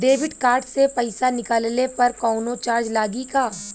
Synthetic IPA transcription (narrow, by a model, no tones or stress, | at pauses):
ɖeːʋɪɖkaːɾɖsepɐɪsanɪkaːllepɐɾkɔːʊnot͡ʃaːɾd͡ʒlaːɡikaː